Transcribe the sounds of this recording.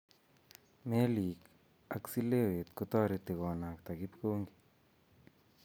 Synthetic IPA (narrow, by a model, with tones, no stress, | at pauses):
me˦li˨k | a˦ksi˦le˦we˨t̪kʊ˧t̪ɔ˦ɾi˧t̪e˨ɡɔ˨na˨kt̪a˨ɡi˦pko˦ŋɡi̥˨